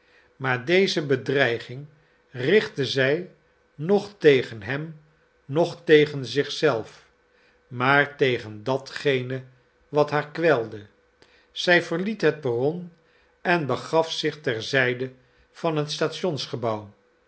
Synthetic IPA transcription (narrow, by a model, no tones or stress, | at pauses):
maːɹdejzəbədrɛjχɪŋ | rɪχtəzɛj | nɔχtejχənɦɛm | nɔχtejχənzɪχsɛlˠf | maːɹtejχəndɑtχejnə | ʋɑtɦaːɹkʋɛlˠdə | z̥ɛjvəɹlitɦət̚barɔn | ɛnbəχɑfsɪχtɛɹzɛjdə | v̥ɑnɦətstaːtʃɔnsχəbɑw